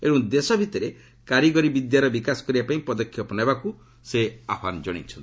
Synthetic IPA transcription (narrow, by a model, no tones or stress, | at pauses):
eɽɔ̃d̪esɔbʱit̪ɔɾe | kaɾjiɡɔɾibid̪jaɾɔbikasɔ̥kɔɾibapaĩpɔd̪ɔkʰːjɔpɔnajbaku | seapand͡ʒɔɽ̃ḭt͡ʃʰɔnt̪i